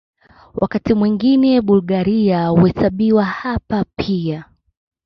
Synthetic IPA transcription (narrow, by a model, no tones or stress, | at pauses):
wʔa̰katimwiŋɡinɛɓulɡaɾiauhɛsaɓiwahapapʰia